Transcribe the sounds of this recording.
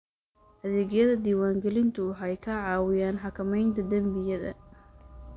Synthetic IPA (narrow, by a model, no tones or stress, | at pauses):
ʔɐðɛːɣjɐðɐd̪iːwaːŋɡɛlɪnt̪ʰʊwɑħɑjkʰɐʕɑːwɪjaːnħɑkʰɐmɛjnt̪ʰɐd̪ɐmbɪjɐðɐ̰